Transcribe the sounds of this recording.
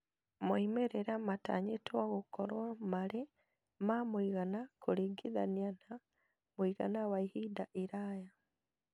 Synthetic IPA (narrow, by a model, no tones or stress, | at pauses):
moimeɾeɾamata̰ɲetwaɣukɔɾwamaɾe | mamuiɣanakuɾiɡiðanian̥a | muiɣa̰nawaihidaʔiɾaja